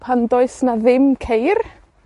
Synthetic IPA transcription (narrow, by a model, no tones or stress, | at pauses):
pʰandɔɨsnaðɪmkʰejr